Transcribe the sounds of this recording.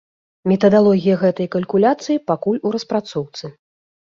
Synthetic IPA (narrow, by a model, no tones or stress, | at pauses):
mʲɛt̪ɐd̪alˠɔɣʲijɐɣɛt̪ɐjkɐlʲkulʲat̪sɨjipakulʲuɾɐspɾat̪sɔwt̪sɨ